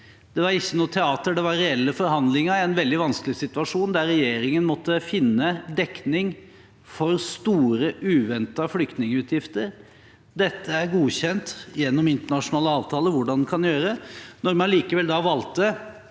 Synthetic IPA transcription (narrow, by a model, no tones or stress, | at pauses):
d̪̥ɛʋɑɾɪçːənuːt̪ʰɛɑːt̪əɖɛʋɑɾɾɛɛlːəfɔɾɦɑnd̪lɪŋəɾɪɛnʋɛld̪ɪʋɑnskəlɪsɪt̪ʉɑʂuːnd̪æɾːɛjeːɾɪŋənmɔt̪ːəfɪnːəd̪ɛknɪŋ | fɔɾst̪uːɾəʔʉːʋɛnt̪ɑflʏkt̪nɪŋəʉːt̪ʰjɪft̪əɾ | d̪ɛt̪ʰːəæɾɡuːçɛnt̪jɛnːɔmɪnt̪əɳɑʂʊnɑːləɑːʋt̪ʰɑːləʋʊɖɑnd̪ɛnkʰɑnjøːɾənɔɾmɑnliːkəʋɛld̪ɑʋɑlt̪̚d̪ɛ